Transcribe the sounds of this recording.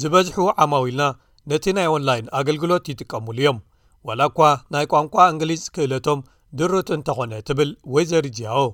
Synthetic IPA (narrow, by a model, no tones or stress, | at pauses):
zɨβɐzħuʕamawilna | nɐt̪ʰinajo̞nlajnaɡɐlɡɨlo̞t̪jɪt̪ʼɨkʼːɐmulijo̞m | walakʷːanajkʷʼamkʷʼaɨŋɡlizʼkʰɨʔɨlɐt̪ʰo̞m | d̪ɨɾut̪ɨnt̪ʰɐxo̞nɐt̪ʰɨβɨlwɔjzɐɾid͡ʒijawo